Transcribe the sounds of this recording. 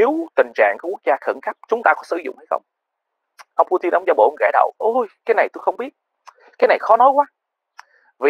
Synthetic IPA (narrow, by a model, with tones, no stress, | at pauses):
ne˨˦wt̪ï˨˩ŋ̟t͡ɕa̰ː˧˨ŋku˧˩˦ku˦˥ək̚zaː˧xə˧˩nxa˦˥p̚t͡ɕʊ˨˦ŋ͡mt̪aː˧kɔ˨˦sɨ̰˧˩zʊ̰˧˨ŋ͡mha˧jxə̰˧wŋ͡m | ʔə˧wŋ͡mpu˧t̪i˧nʔə˧wŋ͡mza˧˩ɓo̰˧˩nɣa̰˧˩ɗə̰˧˨wʔə˧jkaː˨˦jna˨˩jt̪u˧jxə˧wŋ͡mɓi˦˥ət̚ | kaː˨˦jna˨˩jxɔ˨˦nɔ˨˦jkwaː˨˦ | vi˨